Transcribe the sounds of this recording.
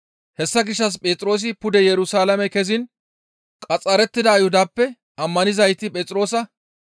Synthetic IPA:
hɛsːɐɡɪʃːɐs̬pʼeːt͡s̪ʼɪɾoːs̬ɪpʊd̪ɛjɛɾʊsaːlɐmɛkɛzɪn | kʼɐt͡sʼːɐɾɛt̪ːɪd̪ɐːjhʊd̪aːpːɛ | ʔɐmːɐnɪzɐjt̪ːɪpʼeːt͡sʼɾo̞ːsɐ

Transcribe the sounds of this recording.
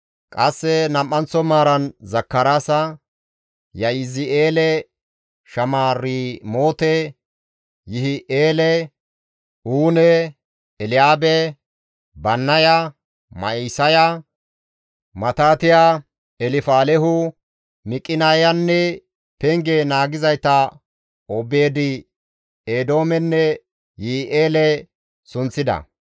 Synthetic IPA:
kʼɐsːɛnɐmːɐnt͡sɔmaːɾɐnzɐkːɐɾasɐ | jɐjɪzɪʔeːlɛ | ʃɐmaːrːimo̞ːt̪ɛ | jɪhɪʔeːlɛ | uːnɛ | ɛlɪjaːbɛ | bɐnːɐjɐ | mɐ̰isɐjɐ | mɐt̪aːt̪ɪja | ɛlɪfaːlɛɦʊ | mɪkʼːɪnajɐnːɛ | pɛŋɡenaːɡɪzɐjt̪ːɐ | ɔbe̞ːd̪ɪ | eːd̪o̞ːmɛnːɛ | jɪhɪʔeːlɛ | sʊnt͡sːɪd̪ɐ̰

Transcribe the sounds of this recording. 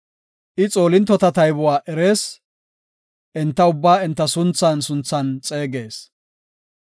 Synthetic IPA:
ʔɪt͡sʼo̞ːlɪnt̪ːɔt̪ɐt̪ɐjbʊwaːʔɛɾe̞ːs | ʔɪnt̪ːɐʊbːaːɪnt̪ːɐsʊnt͡sːansʊnt͡sːɐnt͡sʼe̞ːɡe̞ːs

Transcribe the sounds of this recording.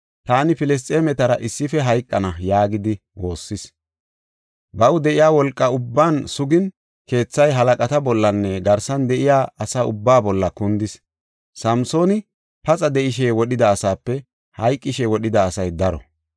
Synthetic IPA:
t̪aːnɪpɪlɛs̬t̪ʼeːmɛt̪ɐɾɐʔɪsːɪfɛɦɐjkʼːɐnɐjaːɡɪd̪ɪ | wo̞ːsːɪs | bɐwʊd̪ɛʔɪjaːwɔlkʼːɐʊbːaːnsʊɡɪn | ke̞ːt͡sːɐjɦɐlɐkʼɐt̪ɐbɔlːɐnːɛɡɐɾsɐnd̪ɛʔɪjaːʔɐsaːʊbːaːbɔlːɐkʊnd̪ɪs | sɐmso̞ːnɪ | pɐt͡sʼɐd̪ɛʔɪʃ̬eːwɔɗɪd̪ɐːsaːpːɛ | hɐjkʼːɪʃeːwɔɗɪd̪ɐːsɐjd̪ɐɾɔ̰

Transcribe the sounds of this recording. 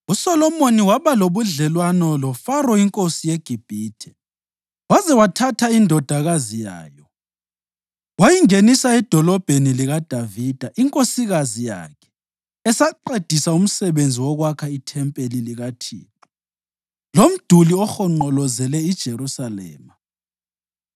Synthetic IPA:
usɔlɔmoniwaβaloβuɮɛlwanɔlɔfarɔiŋkʼosijeɡ̥ʱib̥ʱiːtʰɛ̥ | wazɛwatʰatʰaindʱɔd̥ʱaɣazija̰ːjɔ | wajiŋenisaɛd̥ʱɔlɔb̥ʱeniliɣad̥ʱavid̥ʱaʔiŋkʼosiɣazija̰kʰɛ̥ | ɛsaǃed̥ʱisaum̩sɛβend͡zʱiwɔɣwakʰaitʰɛmpʼeliliɣatʰḭːtʰu̥ | lom̩d̥ʱuliɔxɔŋ͡ǃɔlɔzɛlɛid̥ʒ̥ʱerusalɛ̰ːma

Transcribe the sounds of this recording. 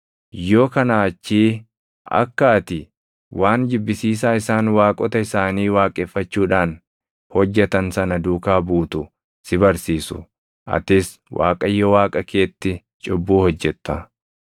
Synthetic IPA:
jo̞ːkɐnaːt͡ʃːiː | ɐ̰kːaːt̪ɪ | wʔaːnd͡ʒɪbːɪsiːs̬aːɪsaːnwaːkʼɔt̪ɐɪsaːniːwaːkʼeːfːɐt͡ʃːuːᶑaːn | hɔd͡ʒːɛt̪ɐnsɐnɐd̪uːkaːbuːt̪ʊ | sɪbɐɾsiːsʊ̰ | ʔɐ̰t̪ɪs | wʔa̰ːkʼɐjːɔwaːkʼɐke̞ːt̪ːɪ | t͡ʃʼʊbːuːhɔd͡ʒːɛt̪ːɐ

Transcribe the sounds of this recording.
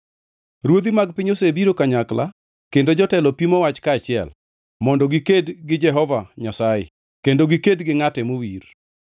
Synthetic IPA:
ɾwod̪imaɡ̚pɪɲosebiɾokaɲakla̰ | kendod͡ʒɔtɛlɔpimowat͡ʃkaːt͡ʃɪɛ̰l | mɔndɔɡikedɡɪd͡ʒɛɦɔvaɲasajɪ̰ | kendoɡikedɡɪŋatɛmowir

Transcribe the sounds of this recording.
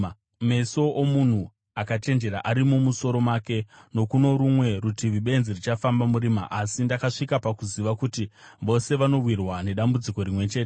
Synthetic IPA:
me̞so̞ʔomun̤u | akat͡ʃe̞nd͡ʒe̞ɾa̰ʔaɾimumuso̞ɾo̞make̞no̞kuno̞ɾumwe̞ɾutiʋiɓe̞nzirit͡ʃafambamuɾiːmaʔasindakaʂikapakuziʋakuti | ʋo̞se̞ʋano̞wirwane̞ɗambud͡ziko̞ɾimwe̞t͡ʃe̞ːte

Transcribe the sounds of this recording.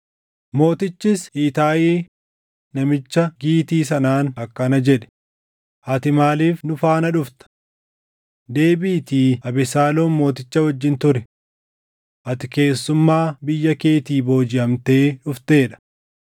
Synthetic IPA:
mo̞ːt̪ɪt͡ʃːɪsiːt̪aːjiː | nɐmɪt͡ʃːɐɡiːt̪iːs̬ɐnaːnɐkːɐnɐd͡ʒɛᶑɛ̥ | ʔɐt̪ɪmaːliːfnʊfaːnɐᶑʊft̪ɐ̥ | d̪e̞ːbiːt̪iːɐbɛsaːlo̞ːnmo̞ːt̪ɪt͡ʃːɐwɐd͡ʒːɪnt̪ʊɾɛ | ʔɐt̪ɪke̞ːsːʊmːaːbɪjːɐkeːt̪iːbo̞ːd͡ʒɪʔɐmt̪e̞ːᶑʊft̪e̞ːᶑɐ̥

